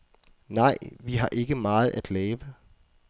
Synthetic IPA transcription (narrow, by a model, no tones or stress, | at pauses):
nɑ̈ɪ̰ʋiɦɑ̈ʔe̝ɡ̥əmɑ̈ːð̞̩ˠæd̥lɛːʋə